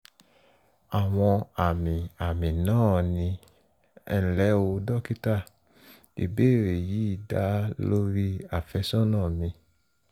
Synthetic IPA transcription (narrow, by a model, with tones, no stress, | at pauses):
a˨w̃ɔ̃˧a˨mĩ˨a˨mĩ˨nãː˦˨nĩ˧ | ɛ̰˦n̩˨lɛ˨˦o˧dɔ˦ki˦ta˦˨ | ḭ˧beː˦˨ɾe˨ji˨˦i˦˨da˨˦lo˦ɾi˦a˨fɛ˧˦sɔ̃˦nãː˦˨mĩ˧